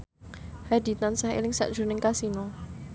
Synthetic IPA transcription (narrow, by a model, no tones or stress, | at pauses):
had̪i̤t̪ansahḛlɪŋsa̰ʔd̥ʒ̥ṳnɪŋkasinɔ